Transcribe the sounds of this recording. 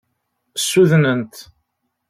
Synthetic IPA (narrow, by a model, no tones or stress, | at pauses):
sːuðnənt̪